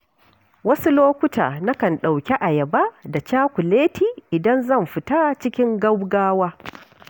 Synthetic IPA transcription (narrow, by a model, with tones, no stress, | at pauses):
wɐ˦su˦loː˦kʷʊ˦ta̰ː˨na˦kɐ˨nɗa˨wkʲe˦ʔa˨jɐ˨ba˦da˨t͡ʃaː˦kʷu˨leː˦tʰiː˨ʔɪ˨dɐ˦nzɐ˦˨mɸɪ˨taː˦t͡ʃɪ˦kʲɪ˦ŋɡɐ˦wɡaː˦waː˦